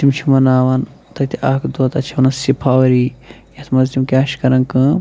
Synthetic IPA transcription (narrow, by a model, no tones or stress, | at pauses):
t̪imt͡ʃʰimɐnaːʋɐnt̪ɐt̪ʰiʔaːkʰd̪oːt̪ɐt͡ʃʰiɐnɐsipʰaːʋɐɾijɐt̪ʰmɐzlimkʲaːʃkɐɾɐŋkɨ